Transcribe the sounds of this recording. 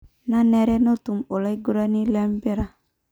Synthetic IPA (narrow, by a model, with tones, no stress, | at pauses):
na˦nɛ˦ɾɛ˦no˦tu˨mo˨la˦i˦ɡu˦ɾa˦ni˦la˦m˦be˦ɾa˨